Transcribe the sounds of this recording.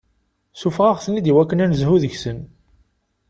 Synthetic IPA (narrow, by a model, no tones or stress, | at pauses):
sufʁaʁθənːid̪iwækːənænəzɦuðəçsən